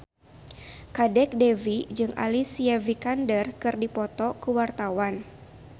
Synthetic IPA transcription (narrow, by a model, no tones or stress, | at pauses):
kadɛk̚devid͡ʒɨŋʔa̰lisiɛvikandərkɨrdipɔt̪ɔkəwart̪awan